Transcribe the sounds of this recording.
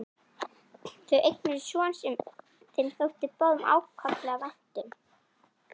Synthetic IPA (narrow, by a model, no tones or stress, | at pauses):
θœɥʔejt̪nɪɾɪsjɔːansʏm | θenfœwt̪ɪpɔðʏma̰ːwkʰaplɛːɣavɛn̥t̪ʏm